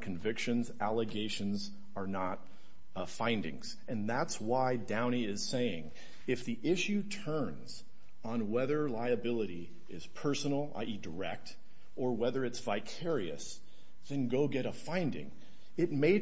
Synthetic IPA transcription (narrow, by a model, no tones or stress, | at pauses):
kʰɨ̃ɱvɪkʃɨ̃nzælˠəɡeɪʃɨ̃nz | ə˞nət̚ | fãɪ̃ndɪ̰̃ŋz̥ | ɨ̃nðætswaɪdãʊ̃ɾ̃iɪz̥seɪɪ̰̃ŋ | ɨfðiʔɪʃʉtʰɜ̃˞nz | n̩wɛðə˞laɪɨbɪlˠəɾi | ɪz̥pʰɜ˞sn̩l̩ˠa̰ɪʔidə˞ɛ̰k̚t | ə˞wɛðə˞ɨtsv̥aɪkʰɛɹiɨ̰s | ðɨ̃nɡoʊɡɛɾəfãɪ̃ndɪ̰̃ŋ | ɨt̚meɪ